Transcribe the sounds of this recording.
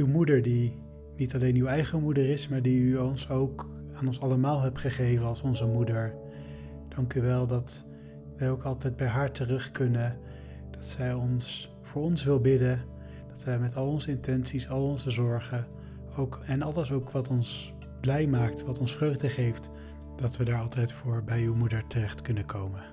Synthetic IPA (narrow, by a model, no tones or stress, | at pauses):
ywmudəɹdi | nitɑlejnywɛjχəmudərɪsmaːɹdiyɔnsowk | aːnɔnsɑləmaːlˠɦɛpχəχejvənɑlˠsɔnzəmudəɹ | d̥ɑŋkyʋɛlˠdɑt | ʋɛjowkɑlˠtɛjd̚bɛjɦaːɹtərɵχkɵnə | d̥ɑtsɛjɔns | v̥ʊːɹɔnsʋɪlˠbɪdə | d̥ɑtʋɛjmɛtɑlˠɔnzəɪntɛnsisɑlˠɔnzəzɔɹχə | owkɛnɑlˠəsowkʋɑtɔns | b̥lɛjmaːktʋɑtɔnsfrøɥχdəχejft | d̥ɑtʋədaːɹɑlˠtɛjtfʊːɹbɛjywmudəɹtərɛχtkɵnəkʰowmə